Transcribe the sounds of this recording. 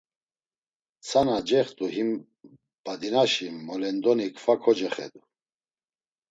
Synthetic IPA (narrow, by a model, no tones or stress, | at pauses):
t͡sʰanad͡ʒɛχt̪ʼuɦim | b̥ad̪inaʃimɔlɛnd̪ɔnikʰfakʰɔd͡ʒɛχɛ̰d̪u